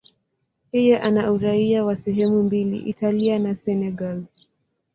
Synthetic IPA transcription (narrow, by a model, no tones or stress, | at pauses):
hijɛʔanauɾaiawasɛɦɛmumbilḭʔḭtalianasɛnɛɡal